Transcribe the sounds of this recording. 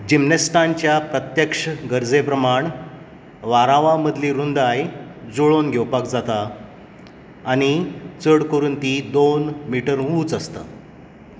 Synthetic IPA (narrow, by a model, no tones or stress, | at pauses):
d͡ʑimnest̪ant͡ɕjapɾət̪jəkʂəɡəɾd͡zepɾəmaɳ | ʋaɾãʋãməd̪ʱliɾund̪ajd͡zoɭonɡʱewpakd͡zat̪a | ɽ̃it͡səɽkoɾuːnt̪id̪onmiʈəɾɦuːt͡səst̪a̰